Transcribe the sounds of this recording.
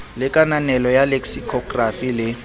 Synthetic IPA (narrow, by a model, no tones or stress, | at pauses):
lɪkʼananɛlɔjaleksikʰɔɡrafilɪ